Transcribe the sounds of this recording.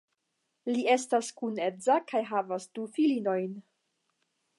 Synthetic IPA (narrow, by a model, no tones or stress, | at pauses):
lie̞staskune̞zakajɦavasdufilino̞jn